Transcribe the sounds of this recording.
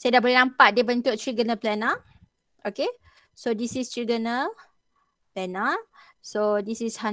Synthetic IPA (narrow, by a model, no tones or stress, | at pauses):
sajdaʔbolɛhnãmpaʔ̚dibənt̪uʔ̚tɹiɡənaplɛna | ʔoke | sodisistɹiɡənə | plɛna | sodisisha